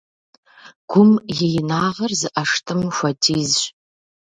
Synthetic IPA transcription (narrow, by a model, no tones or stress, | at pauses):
ɡ̥ʷʊmjejnaːʁərzɨʔaʂtʰɨmʃʷatʰizɕʷ